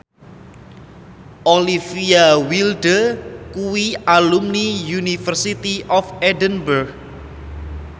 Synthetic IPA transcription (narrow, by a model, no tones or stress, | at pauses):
ʔolifiawilɖəkuwialumnijunifərsit̪iʔɔfɛdənbərɡ̚